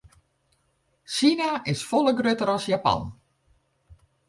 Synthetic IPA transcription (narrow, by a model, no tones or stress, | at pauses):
sinaʔɪsfɔlˠəɡrøtəɾɔsjapɑ̰n